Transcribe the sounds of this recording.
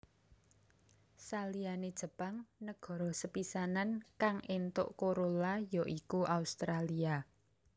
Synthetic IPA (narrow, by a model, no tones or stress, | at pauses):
salianed̥ʒ̥ə̤paŋnəɡ̥ɔ̤ɾɔsəpisanankaŋʔent̪ʊ̰ʔkoɾolajoʔikuʔaust̪ɾalia